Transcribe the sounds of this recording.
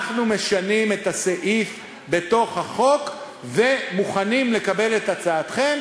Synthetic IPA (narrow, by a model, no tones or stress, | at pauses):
χnume̞ʃanime̞t̪aseʔif | be̞to̞χhaχo̞k | ve̞muχanimle̞kabe̞le̞tat͡saːt̪χem